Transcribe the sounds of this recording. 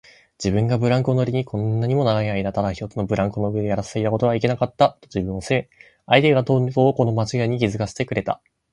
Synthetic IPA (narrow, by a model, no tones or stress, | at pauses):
d͡ʑibɯ̟̃ŋɡabɯ̟ɾãŋkɯono̞ɾʲiɲ̟ikʰõ̞nːaɲ̟imo̞naɡaɲiaid̪at̪aɾaçi̥t̪o̞t͡sɨno̞bɯ̟ɾãŋkonoɯ̟e̞d̪ejaɾase̥sait̪ako̞t̪o̞βaike̞nakat̪ːat̪ːod͡ʑibɯ̟̃ɰ̃o̞seme | aid̪eɡat̪onkoːko̞no̞mat͡ɕiɡaeɲ̟ikʲizɨkaɕi̥t̪e̞kɯ̟ɾe̞t̪a̰